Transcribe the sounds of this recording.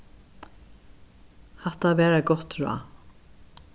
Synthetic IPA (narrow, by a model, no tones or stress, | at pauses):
hɛht̪avɛːɾaɡɔht̪ɾa̰